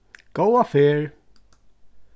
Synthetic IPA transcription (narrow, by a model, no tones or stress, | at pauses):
ɡ̥owafɪːɹ